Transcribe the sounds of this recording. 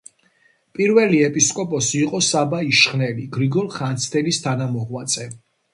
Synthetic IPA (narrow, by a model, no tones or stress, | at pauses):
pʼiɾvɛliɛpʼiskʼɔpʼɔsiːqʼɔsabaiʃχnɛliɡɾiɡɔɾχant̪sʰt̪ʰɛlist̪ʰanamɔʁwat̪sʼɛ